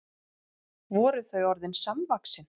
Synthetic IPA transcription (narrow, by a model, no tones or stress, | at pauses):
vɔːɾʏθœɥɔɾðɪnsamvaksɪn